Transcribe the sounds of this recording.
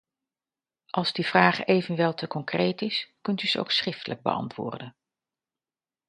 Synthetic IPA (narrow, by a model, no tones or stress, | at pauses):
ʔɑlˠzdivraːχejvənʋɛlˠtəkɔŋkrejtɪskɵntyz̥əo̰wksrɪftələɡ̚bə̰ɑ̰ntʋʊ̰ːrdən